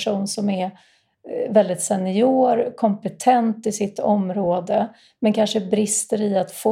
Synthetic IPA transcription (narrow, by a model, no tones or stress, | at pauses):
ʂuːnsɔmɛɾ | vɛld̪ɪt̪sɛnɪuːɾkʰɔmpɛt̪ʰɛnt̪ɪsɪt̪ːɔmɾoːd̪ə | mɛnkʰanʂəbɾɪst̪əɾɪat̪fo